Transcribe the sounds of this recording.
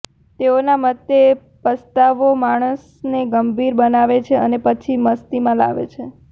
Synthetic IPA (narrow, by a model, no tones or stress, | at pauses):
t̪eonamət̪ːe | pəst̪aʋomaɽ̃əs | neɡəmbʱiɾbənaʋet͡ʃʰeə̰nepət͡ʃʰiməst̪imãla̰ʋḛt͡ʃʰe